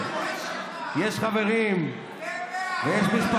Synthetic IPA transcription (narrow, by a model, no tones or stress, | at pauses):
jeʃχaveʁim | vejeʃbiʃpa